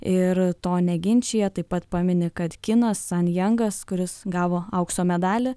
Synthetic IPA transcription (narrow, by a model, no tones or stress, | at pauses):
ɪɾt̪oːnʲɛɡʲɪnʲt͡ʃʲeːjɛt̪ɐɪpɐt̪pɑːmʲɪnʲɪkɐt̪kʲɪnɐsːɐnjɛŋɡɐskʊɾʲɪsɡɑːʋoːɐʊkst̪oːmʲɛd̪ɑːlʲɪ